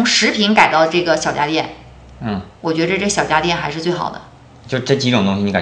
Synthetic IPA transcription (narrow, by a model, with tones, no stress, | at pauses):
ʊ˧˥ŋʂɻ̩˧˥pʰi˧˥ŋka˨ɪt̪ɑ˥˧ʊʈ͡ʂɤ˥˩ɡə˩ɕjɑ˨˩ʊt͡ɕja˧˥t̪jɛ˥˩n | n̩˥˩wɔ˨˩t͡ɕɥɛ˧˥də˧ʈ͡ʂɤ˥˩ɡə˩ɕjɑ˨˩ʊt͡ɕja˧˥t̪jɛ˥˩nxa˧˥ɪʂɻ̩˧t͡swe˥˩ɪxɑ̰˨˩ʊd̪ə̰˦ | t͡ɕo˥˧ʂ̩˥ʈ͡ʂɤ˥˩t͡ɕi˧˥ʈ͡ʂʊ˨ŋt̪ʊ˥ŋɕi˩ni˧˥ka˨˩